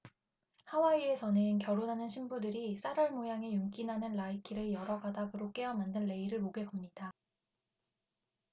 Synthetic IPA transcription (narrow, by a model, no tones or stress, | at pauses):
hawaie̞sʰʌnenkjʌɾonɦanɯnɕʰimbudɯɾis͈aɾʌɭmojaŋe̞juŋk͈inɦanɯnlaikʰiɾɯɭjʌɾʌɡadaɡɯɾok͈e̞ʌmandɯnːe̞iɾɯɭmoɡe̞ɡʌmɲid̥a